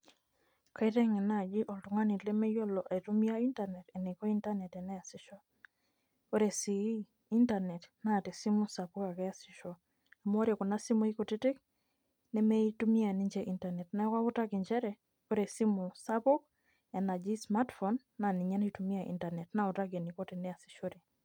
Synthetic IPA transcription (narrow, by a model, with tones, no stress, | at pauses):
ka˨˦i˦tɛ˦ŋɛ˨na˦˨d͡ʒi˦ʔɔ˨ltʊ˨ŋa˦ni˨tlɛ˦mɛ˦jɔ˦lɔ˨ʔa˨i˨tu˦mi˦a˦i˦nta˨nɛ˨tɛ˨ne˨ko˦i˦nta˦nɛ˨tɛ˨nɛ˦a˨sɪ˨ʃɔ˦ | o˦ɾe˨siː˨˦ | ntanɛ˨tna˦˨tɛ˨si˦mʊ˦sa˨pʊ˦ka˨kɛ˦a˨sɪ˨ʃɔ˦ | a˨mu˦o˦ɾe˨kɔ˨na˦si˦mu˦i˦ko˨tɪ˦tɪ˦k | nɛ˦mɛ˦i˦tu˦mi˦a˨e˨ni˦ɲd͡ʒe˦ʔi˦nta˨nɛ˨tna˨˦ka˦wʊ˦ta˦kɪ˨nt͡ʃɛ˦ɾɛ˨ | o˦ɾe˨si˦mu˨sa˦pʊ˦k̚ | ɛ˨na˨d͡ʒi˦sma˦tfɔ˨nːa˨nɪ˨ɲa˦n˦i˨tu˦mi˦a˨ʔḭ˨nta˨nɛ˨tna˦˨ʊ˨ta˦ɡe˨ni˨kɔ˦tɛ˨nɛ˦a˨sɪ̥˨ʃo˦ɾi˨